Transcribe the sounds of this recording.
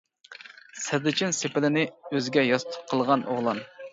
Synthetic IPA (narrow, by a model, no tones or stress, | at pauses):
sɪɾd̪ɪt͡ʃʰɪnsepɪlɪnɪøzɪɡʲɛjɑst̪ʰʊ̥q̚qʰːəlˠʁɑnʔoʁlˠɑn